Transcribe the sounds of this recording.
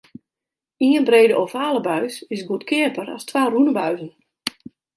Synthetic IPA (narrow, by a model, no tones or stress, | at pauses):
iənbreːdəʔofaːləbœɥsɪsɡutkʰɪəpəɾa̰stwaːrunəbœɥzən